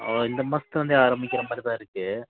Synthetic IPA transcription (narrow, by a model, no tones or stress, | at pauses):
oɪnd̪ɐmɐsɐt̪ːʋɐnd̪ɯaːɾɐmbɪkʲːɪɾɐmaaːd̪ɾit̪ãːɪɾɯkːɯ